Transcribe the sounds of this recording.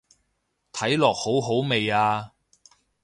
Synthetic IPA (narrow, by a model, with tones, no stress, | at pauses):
t̪ʰɐ˨˥jlɔː˨k̚ho˨˥wɦo˨˥wme˨jaː˧